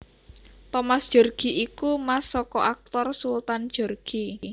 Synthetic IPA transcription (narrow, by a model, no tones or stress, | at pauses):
t̪ɔmasd̥ʒ̥o̤rɡ̥i̤ʔikumasɔkɔʔak̚t̪ɔrsult̪and̥ʒ̥o̤rɡ̥i̤